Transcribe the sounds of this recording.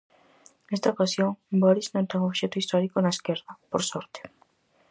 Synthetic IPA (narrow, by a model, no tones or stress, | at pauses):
nest̪aokasjoŋbɔɾiznõnt̪ɛŋoβʃɛt̪ʊist̪ɔɾikonaeskeɾðɐpoɾsɔɾt̪e̥